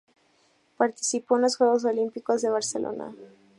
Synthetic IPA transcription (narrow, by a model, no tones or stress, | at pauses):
paɾt̪i̥sipoenlosxweɣos̬olimpikozðe̞βaɾselʔo̞̰na̰